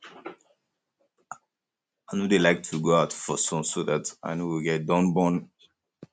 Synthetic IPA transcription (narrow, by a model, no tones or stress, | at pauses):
aɪnodelaɪk̚tʰuɡoaʊtfɔsɔ̃msoðata̰ɪnowiɡɛt̚dɔ̃nbɔ̃n